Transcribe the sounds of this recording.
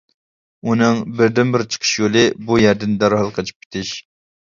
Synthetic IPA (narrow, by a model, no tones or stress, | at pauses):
unɨŋbɪɾd̪ɪnbɪɾt͡ʃʰə̥qʰə̥ʃjolˠɨbujɛɾd̪ɪnd̪ɑɾhɑlˠqʰɑt͡ʃʰi̥p̚kʲʰɪ̥t̪ʰɪʃ